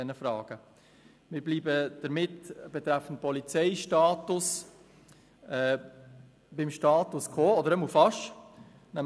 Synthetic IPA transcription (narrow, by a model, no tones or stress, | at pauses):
ɛnəfɾɑːɡ̥ə | mɪɾbliːbəd̥əɾmɪtb̥ɛt̪ɾæfən̩t̚pɔlit͡sɛɪʃtɑːtʊs | ɛː | b̥ɪmʃtɑːt̪ʊskʰoːɔdəɾɛmufɑʃ | næ